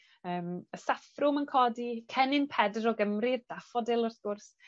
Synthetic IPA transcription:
əːməsafrʊmənkʰɔdikʰɛnɪnpʰɛdrɔɡəmrird̥afɔdɪlˠʊrθɡ̥ʊrs

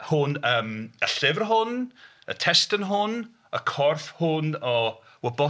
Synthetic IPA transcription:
hʊnəːməɬɪvrɦʊn | ə̰tʰɛstənɦʊn | əkʰɔrfhʊnɔ | wəbɔ

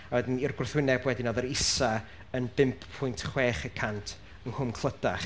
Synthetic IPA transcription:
awɛdɪnirɡrθwɪnɛbwɛdinɔðəɾɪsa | ənbɪmpʰpʰːʊjntʰχweːχəkʰantʰ | ənhʊmkʰlˠədaχ

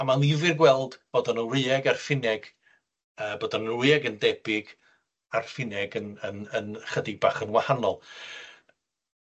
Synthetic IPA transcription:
amanlˠɪvɨrɡwɛlˠdb̥oːdɔnənrɨɛɡarfɪnɛɡ̥ | əːboːdɔnənwɨɛɡəndɛbɪɡ | arfɪnɛɡənənənχədɪbaχənwahanɔlˠ

